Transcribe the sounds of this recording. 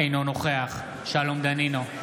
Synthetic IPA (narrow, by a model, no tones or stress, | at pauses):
inonoχeaχ | ʃalomd̪anino